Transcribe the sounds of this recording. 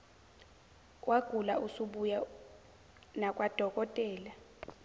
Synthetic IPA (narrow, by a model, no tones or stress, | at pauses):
waɡ̥ʱulausuɓuja | nakʼwad̥ʱɔkʼɔtʼɛːla